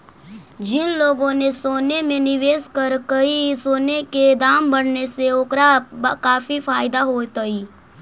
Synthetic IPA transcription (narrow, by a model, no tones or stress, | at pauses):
d͡ʒɪnloːɡõnesoːnemẽnɪʋeːskəɾkɐisoːneked̪aːmbɐɽ̤neseʊkɾaːbkaːfifaːɪd̪aɦoːt̪əi